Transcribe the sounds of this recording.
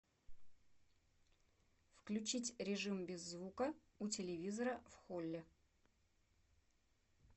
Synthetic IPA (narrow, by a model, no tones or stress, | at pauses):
fklʲʉt͡ɕitʲɾʲɪʐɨmbʲɪzːvukə | ʊtʲɪlʲɪvʲizəɾəfxolʲːɪ